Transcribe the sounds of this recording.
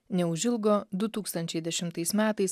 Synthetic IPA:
nʲɛʊʒʲɪlˠɡoːd̪ʊt̪uːkst̪ɐnʲt͡ʃʲɛɪd̪ʲɛʃʲɪmt̪ɐɪsmʲæːt̪ɐɪs

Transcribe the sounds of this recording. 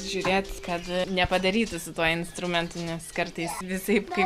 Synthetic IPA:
ʒʲuːɾʲeːt̪kɐt̪nʲɛpɐd̪ɐɾʲiːt̪ʊsʊt̪uɔɪnst̪ɾʊmʲɛnt̪ʊnʲɛskɐrt̪ɐɪsʋʲɪsɐɪpkɐɪ

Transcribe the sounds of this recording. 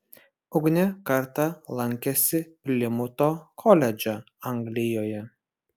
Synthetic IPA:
ʊɡnʲɛkɐɾt̪ɐlˠɐŋʲkʲɛsʲɪpʲlʲɪmʊt̪oːkʰɔlʲɛd͡ʒʲɛ | ɐŋɡlʲɪjoːjɛ

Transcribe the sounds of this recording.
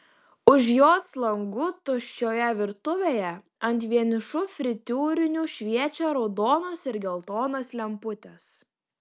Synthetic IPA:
ʊʃjoːslˠɐŋɡʊt̪ʊʃʲt͡ʃʲoːjɛʋʲɪɾt̪ʊʋʲeːjɛ | ɐnʲt̪ʲʋʲiɛnʲɪʃʊfʲɾʲɪt̪ʲuːɾʲɪnʲuːʃʲʋʲiɛt͡ʃʲɛɾɔʊd̪oːnoːsɪɾɡʲɛlˠt̪oːnɐslʲɛmpʊt̪ʲɛs

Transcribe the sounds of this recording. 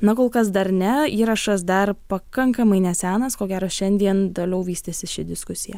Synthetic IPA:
nɐkoːlˠkɐs̬d̪ɐɾnʲɛiːɾɐʃɐs̬d̪ɐrpɐkɐŋkɐmɐɪnʲɛsʲæːnɐskoːɡʲæːɾoːʃʲɛnʲd̪ʲiɛnt̪oːlʲɛʊʋʲiːsʲt̪ʲesʲɪʃʲɪd̪ʲɪskʊsʲɪjɛ

